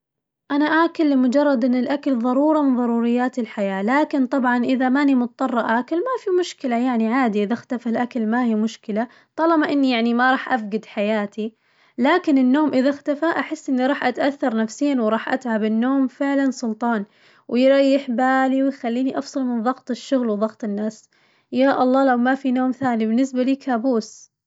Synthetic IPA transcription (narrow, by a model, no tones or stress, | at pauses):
ʔanaʔaːkalːɪmʊd͡ʒɑrˤːɑd̪ʔɪnːɪlʔakalðˤɑɾˤuːɾˤɑmɪnðˤɑɾˤuːɾɪjːaːt̪ɪlħajaːlaːkɪnt̪ˤɑbʕɑnʔɪðamanimʊt̪̚t̪ˤːɑrˤːɑʔaːkalmafimʊʃkɪlajaʕniʕaːd̪iʔɪðaxt̪afalʔakalmahimʊʃkɪla | t̪ˤɑlɑbɑʔɪnːijaʕnimaɾˤɑːħʔafɡɪd̪ħajaːt̪ʰi | laːkɪnɪnːoːmʔɪðaxt̪afaʔaħɪsːʔɪnːiɾˤɑːħʔat̪ʔaθːɑɾˤnafsiːnwɾˤɑːħʔat̪ʕabɪnːoːmfɪʕlansˤʊlt̪ˤɑːn | wʔɪjɾˤɑjːɪħbaːliwɪjxalːiːniʔɑfsˤɑlmɪnðˤɑɣt̪ˤɪʃːʊɣlwðˤɑɣt̪ˤɪnːaːs | jaːʔɑlˤːɑːlawmafinoːmθaːnibɪnːɪsbaliːkaːbuːs